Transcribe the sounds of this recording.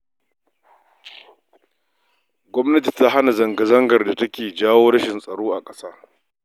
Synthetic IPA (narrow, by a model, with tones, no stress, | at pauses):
ɡʷɔ˦mnɐ˦t̬i˨ta˦ɦa˦na˨zɐ˨ŋɡɐ˨zɐ˦ŋɡɐ˨rda˨tɐ˦kʲeː˨d͡ʒaː˦woː˦ɾɐ˦ʃɪ˨nsʼɐ˨ɽoː˦ʔa˨kʼɐ˦saː˦